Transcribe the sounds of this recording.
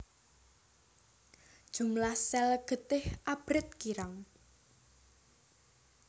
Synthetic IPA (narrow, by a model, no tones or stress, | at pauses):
d̥ʒ̥ṳmlahsɛlɡ̥ə̤t̪ɪhʔab̥ɾɪt̪̚kiɾaŋ